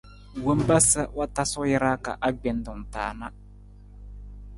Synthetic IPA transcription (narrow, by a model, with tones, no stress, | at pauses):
wo˦m˦ba˦sə˦wa˦ta˦sʊ˦jɪ˦ɾa˦ka̰˨ʔa˦ɡ͡bɛ˨n˦dʊ˨m˨taː˨na˦